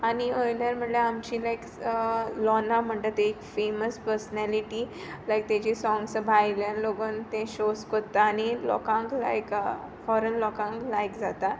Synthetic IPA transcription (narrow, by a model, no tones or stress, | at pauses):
aniojnjaɾm̤əɳʈleamt͡ɕĩlajk | lɔnam̤əɳʈ̪ət̪ekfeməspəɾsnɛliʈi | lajk̚t̪jat͡ɕisɔ̃ŋɡsbʱajljãnloɡoːnt̪ẽɕoskot̪ːaːnilɔ̰kãŋkla̰jk | fɔɾənlɔkãŋklajkd͡zat̪a